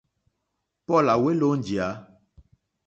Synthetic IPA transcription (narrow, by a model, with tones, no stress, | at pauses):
pɔ˦˨la˨we˦lo˦n˨d͡ʒi˨a˨˦